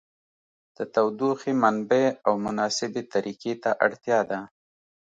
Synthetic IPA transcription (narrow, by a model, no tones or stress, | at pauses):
d̪̥ət̪awd̪uxemanbeawmʊnɑsɪbet̪aɾiket̪aʔaɽt̪jɑd̪a